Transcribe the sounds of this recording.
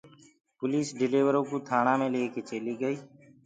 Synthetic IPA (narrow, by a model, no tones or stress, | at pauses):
pʊliːsɖɪleːʋəɾõːkuːt̪ʰaːɳãːmẽːleːkeːt͡ʃeːliːɡəiː